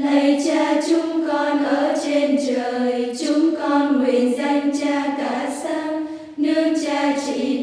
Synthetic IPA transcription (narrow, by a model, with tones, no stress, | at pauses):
na˨˧˩jt͡ɕaː˧t͡ɕʊ˨˦ŋ͡mkɔ˧nʔəː˧˩t͡ɕe˧nt͡ɕəː˨˩jt͡ɕʊ˨˦ŋ͡mkɔ˧nŋwi˨˩nza˧ŋt͡ɕaː˧kaː˧˩saː˧ŋ | nɨ˧əŋt͡ɕaː˧t͡ɕḭ˧˩˨